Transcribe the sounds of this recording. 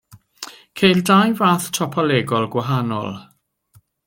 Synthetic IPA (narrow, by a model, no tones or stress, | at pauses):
kʰejldajvaːθtʰɔpʰɔlɛɡɔlˠɡwaɦanɔ̰lˠ